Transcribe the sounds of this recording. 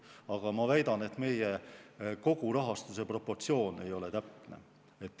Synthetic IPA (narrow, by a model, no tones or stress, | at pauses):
ɑɡ̥ɑmɑvæjd̪ɑne̞t̪ːˑme̞jeko̞ɡ̥uɾɑɦɑst̪use̞pro̞pːo̞rt̪sio̞ːne̞jo̞le̞t̪æpne̞̰ | et̪ːˑ